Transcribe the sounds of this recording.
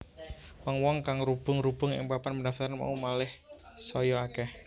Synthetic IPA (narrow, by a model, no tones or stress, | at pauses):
wɔŋwɔŋkaŋɾub̥ʊŋɾub̥ʊŋɪ̰ŋbapanmədaft̪aɾanma̰umalɪh | sɔjɔakɛh